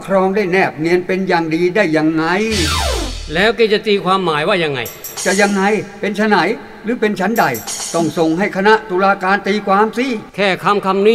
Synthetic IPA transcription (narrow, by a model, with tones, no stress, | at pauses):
kʰɾɔː˧ŋdaː˥˩jnɛː˥˩p̚ni˧ənpe˧njaː˨˩ŋdiː˧daː˥˩jːa˧ŋːa˧j | lɛː˦˥wkeː˧˥t͡ɕa˨˩ʔt̪iː˧kʰwaː˧mːaː˩˦jwaː˥˩ja˧ŋːa̰˧˩j | t͡ɕa˨˧˩ja˧ŋːa˧jpe˧nt͡ɕʰa˧na˨˩˦j | ɾɯː˨˦pe˧nt͡ɕʰa˦˥nda˨˧˩jt̪ɔ˥˩ŋso˨˩ŋɦa˥˩jkʰa˧na˦˥ʔt̪uː˧laː˧kaː˧nt̪iː˧kʰwaː˧msi˧˥˩kʰɛː˥˩kʰa˧mkʰa˧mniː˥˩